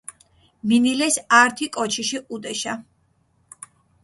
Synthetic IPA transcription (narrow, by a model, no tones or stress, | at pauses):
minilɛsaɾt̪ʰikʼɔt͡ʃʰiʃiʔud̪ɛʃa